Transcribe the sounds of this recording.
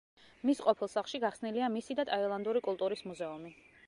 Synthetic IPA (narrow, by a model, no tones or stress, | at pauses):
misqʼɔpʰilˠsaχˠʃiɡaχsniliamisid̪at̪ʼailˠand̪uɾikʼulˠt̪ʼuɾismuzɛumi